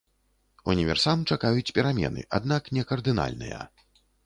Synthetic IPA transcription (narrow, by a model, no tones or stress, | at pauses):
unʲivʲɛ̰rsamt͡ʂakajut͡sʲpʲɛɾamʲɛ̰nɨ̰ʔa̰d̪n̪aknʲɛkɐrd̪ɨna̰lʲnɨ̰jɐ̰